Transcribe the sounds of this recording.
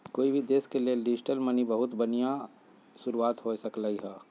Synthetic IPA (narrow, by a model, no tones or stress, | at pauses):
koːibʱid̪eːskelielɪd͡ʒɪʈəlmənibəɦʊt̪bɐnija | sʊɾuaːt̪ɦosəklaiɦɛː